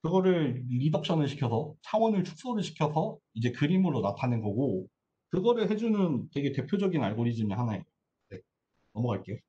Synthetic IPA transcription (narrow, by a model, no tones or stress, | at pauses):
kɯɡʌɾɯɭːidʌk̚ɕ͈ʌnɯɭɕʰi̥kʰjʌsʰʌt͡ɕʰaŋwʌnɯɭt͡ɕʰu̥k̚s͈oɾɯɭɕʰi̥kʰjʌsʰʌid͡ʑe̞kɯɾimɯɾonatʰanɯnɡʌɡo | kɯɡʌɾɯɭɦe̞d͡ʑunɯntweɡe̞te̞pʰjod͡ʑʌɡinaɭɡoɾid͡ʑimɯnhanaḛo | ne̞ | nʌmʌɡaɭk͈e̞jo